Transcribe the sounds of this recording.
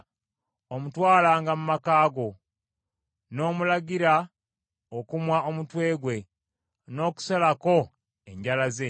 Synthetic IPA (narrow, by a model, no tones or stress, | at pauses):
omutwaːlaːŋɡamumakaːɡo̞ | no̞ːmulaɡiɾa | okumwaʔo̞mutwe̞ːɡwe̞ | no̞ːku̥salako̞ | e̞ɲɟalaze